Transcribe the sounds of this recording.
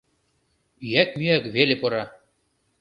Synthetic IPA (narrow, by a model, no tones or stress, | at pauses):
yjæk̚myækβelʲĕpɤ̆ɾɑ